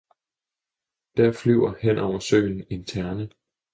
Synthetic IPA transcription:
d̥æɐ̰flyʊ̰ɐhen̰ʔɒʊɐsø̰ːnn̩e̝nt͡sʰæɐnə

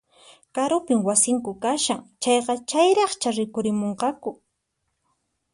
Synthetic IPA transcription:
kaɾʊpɪmwasɪŋkʊkaʃaŋt͡ʃɑjqɑt͡ʃajɾɑχt͡ʃaɾɪkʊɾɪmoɴqɑkʊ

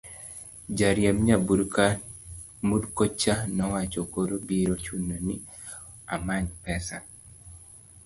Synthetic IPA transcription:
d͡ʒaɾjamɲabuɾka | mudkot͡ʃanɔwat͡ʃokoɾobiɾot͡ʃunːoni | a̰maɲpɛsa

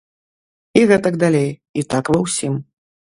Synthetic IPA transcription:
iɣɛt̪ɐɡd̪alʲejit̪akvɐwsʲim

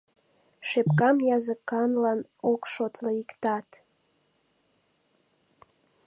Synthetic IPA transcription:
ʃepkɑmjɑzəkɑnlɑnokʃot̪ləikt̪ɑt̪

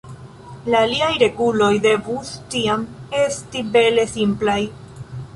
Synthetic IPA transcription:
laːliajɾe̞ɡulo̞jde̞vustiame̞stibe̞le̞simplaj

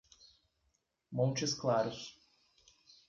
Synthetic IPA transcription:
mõnt͡ʃɪsklaɾʊs

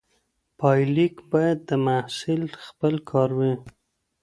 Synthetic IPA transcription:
pɑjlikbɑjad̪ːəmasɪlxpəlkʰɑɾwi

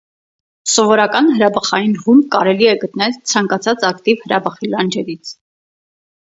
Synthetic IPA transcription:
sɔvɔɾɑkɑnɦəɾɑbəχɑjinhumkɑɾɛliɛɡət̪nɛlt͡sʰɑŋkɑt͡sʰɑt͡sɑkt̪ivhəɾɑbəχilɑnd͡ʒɛɾit͡sʰ

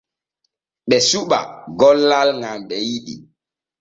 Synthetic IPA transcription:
ɓɛsuɓa̰ɡɔlːalŋamɓɛjiɗḭ

